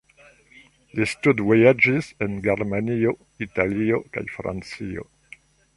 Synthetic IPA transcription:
listudvojad͡ʒisenɡeɾmanio | italioka̰jfɾa̰nt͡sio̰

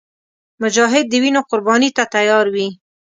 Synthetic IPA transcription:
mʊd͡ʒɑɦɪd̪̚ːəwinoqʊɾbɑnit̪at̪ajɑɾwi

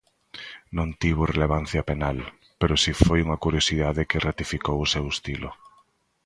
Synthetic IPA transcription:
nõnt̪iβ̞ʊreleβ̞an̟θjɐpenal | peɾʊsifojuŋɐkuɾjosiðaðekerat̪ifikowʊsewest̪ilʊ̰

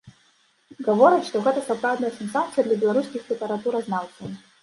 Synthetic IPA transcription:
ɡɐvoɾʲɐt̪ʂt̪ɔɣɛt̪ɐsɐpɾawdnɐjɐsʲɛnsat̪sɨjɐd̪lʲɐbʲɛlˠɐɾuskʲixpɾʲɪpɛɾɐt̪uɾɐznawt̪ɨ

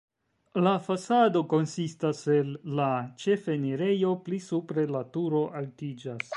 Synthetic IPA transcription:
lafasado̞ko̞nsistase̞lːat͡ʃe̞feniɾe̞jo̞plisupɾe̞latuɾo̞ʔaltid͡ʒas

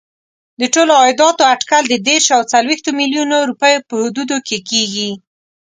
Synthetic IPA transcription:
d̪əʈoloɑjɪd̪ɑt̪oaʈkald̪əd̪eɾʃawt͡salwext̪omiljunoɾupəjopəhʊd̪ud̪okekeɡi

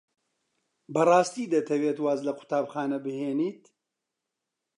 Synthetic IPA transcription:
bɐrˤɑːst̪iːd̪ɐt̪ʰɐwet̪waːzlɐkʰʊ̥t̪aːbxaːnɐbɨheːniːt̪

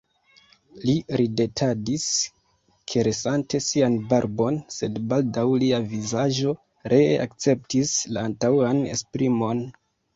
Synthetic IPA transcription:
liɾide̞tʰadis | kʰe̞ɾesante̞sianbaɾbo̞nse̞dbaldawliavizaʒo̞ | ɾʔe̞a̰kt͡se̞p̚tislaːntawane̞̰spɾimo̞n

